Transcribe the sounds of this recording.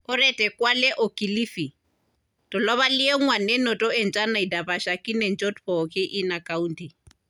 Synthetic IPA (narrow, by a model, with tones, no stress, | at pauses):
ʊ˦ɾɛtʼɛ˨kwalɛ˦ʔo˨ki˨li˦fi˨ | tɔ˨lɔ˦βa˦li˦ɛ˦ŋwa˨nɛ˦nɔ˨tʼɔ˦ɛ˨nt͡ʃʼa˦na˨i˨da˨pa˨ʃakʼi˦nɛ˨nt͡ʃɔ˦tɸɔ˨kʰɪ˦ʔi˦na˨kʼaunti˨